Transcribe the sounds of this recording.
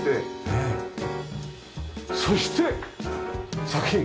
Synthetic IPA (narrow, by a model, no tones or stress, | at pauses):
t̪ee | so̞ɕi̥t̪e̞ | sakɯ̟̥çĩŋ